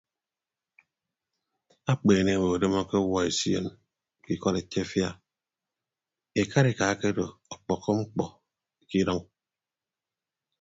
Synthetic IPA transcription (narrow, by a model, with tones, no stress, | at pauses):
a˦k͡peː˨ne˦˨we˨o˨de˦mɔ˦ke˦wɔ˦e˨si˦ḛ˨n | ki˦kɔ˦ɾe˨tʰe˦fja˦ | e˨ka˦ɾe˨ka˨˦ke˦do˨ɔ˨k͡pɔ˨kːɔ˦ŋ͡m̩˦k͡pɔ˨ | ki˦ɾɔ˦ŋ